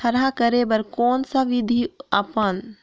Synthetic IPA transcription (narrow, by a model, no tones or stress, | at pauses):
ɐɾakəɾebəɾkɔːnsaʋɪd̪ʱiəpən